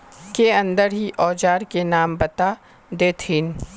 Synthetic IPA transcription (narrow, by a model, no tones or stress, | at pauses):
keɐ̃nd̪əɾɦiʔɔːd͡ʒaːɾkenaːmbɐt̪a | d̪eːt̪ʰɪːn